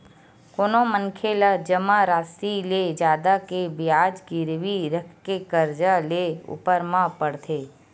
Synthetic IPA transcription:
koːnomənkʰelad͡ʒəmaɾaːsiled͡ʒjaːd̪akebɪjaːd͡ʒɡɪɾwiɾəkʰkːekəɾd͡ʒaleʊ̰pəɾmãpəɽt̪ʰeː

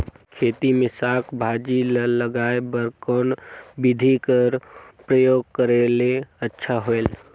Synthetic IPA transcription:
kʰeːt̪imẽsakʰbʱad͡ʒilələɡaebəɾkɔnbid̪ʱikəɾpɾəjoːɡ̚kəɾeleətːʃʰaɦoel

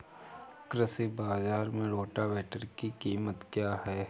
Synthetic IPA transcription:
kɾəsibaːzaːɾmẽɽoːʈaʋɛːʈəɾkikiːmət̪kjaːɦɛː

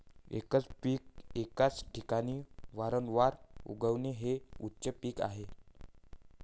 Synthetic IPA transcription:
ḛkət͡spiːk̚ekat͡sʈʰikañiːʋaɾəɳʋaɾṵɡəʋneɦeutːɕəpiːka̰ɦe

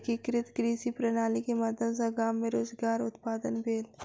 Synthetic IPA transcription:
kikɾɪt̪kɾiːsipɾɐnaːlikemɐd̪ʱjəsaɡaːmːẽɾoːzɡaːɾʊt̪paːd̪ənbʱeːl

